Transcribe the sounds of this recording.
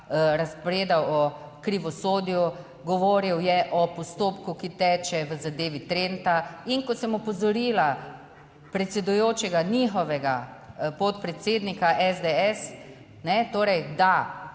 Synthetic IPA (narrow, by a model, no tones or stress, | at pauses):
ɾaspɔɾeːd̪awɔkɾiʋɔsoːd̪iju | ɡɔʋoːɾiwjɛʔɔpɔst̪oːpkukit̪ɛːt͡ʃɛʋəzad̪eːʋit̪ɾent̪aiŋkɔsɛmɔpɔzɔɾila | pɾɛt̪sɛd̪ujoːt͡ʃɛɡanixɔʋɛɡapɔt̪pɾɛt̪seːd̪nikaʔɛzd̪eɛs | nɛt̪oːɾɛjd̪a